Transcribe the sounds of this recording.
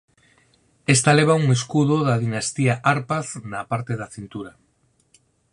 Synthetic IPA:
est̪aleβ̞auŋeskuðoðaðinast̪iaʔaɾpaθnapaɾt̪eðaθint̪uɾa

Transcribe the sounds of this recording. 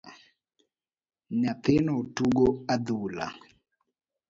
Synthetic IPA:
napenɔtuɡɔadula̰

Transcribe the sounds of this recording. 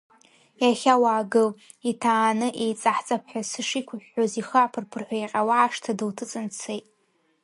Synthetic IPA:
jaχʲawaːɡɨl | itʰaːnɨʔejt͡sʼaħt͡sʼapʰħʷᶣasɨʂikʷʰʊħʲᶣːoziχaːpʰɨrpʰɨrħʷᶣaiqʲʼawaaʂtʰadɨltʰɨt͡sʼɨnt͡sʰejtʼ

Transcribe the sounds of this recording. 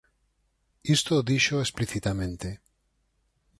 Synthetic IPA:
ist̪oðiʃoespliθit̪amẽnt̪e

